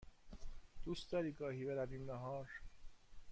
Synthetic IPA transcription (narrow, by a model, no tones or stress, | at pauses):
d̪̥uːst̪d̪ɒɾiːɡɒːhiːbeɾæviːmːæɦɒːɾ